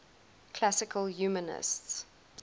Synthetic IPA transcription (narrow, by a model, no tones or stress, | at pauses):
kʰl̥asɪkʰəljuːmənɪ̰sts